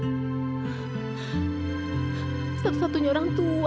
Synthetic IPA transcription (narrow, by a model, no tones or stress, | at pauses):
sat̪u̥sat̪uɲaoɾaŋt̪u